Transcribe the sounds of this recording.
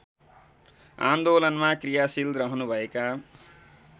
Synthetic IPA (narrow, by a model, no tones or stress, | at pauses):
ã̰nd̪olʌnmakrijasilɾʌɦnubʱʌeka